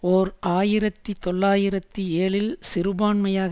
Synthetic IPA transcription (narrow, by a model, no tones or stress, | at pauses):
ɔɾʔaːjɪɾɐt̪ːit̪ɔɭːaːjɪɾɐt̪ːieːɭɪlsɪɾɯbaːɳmɐjaːɣ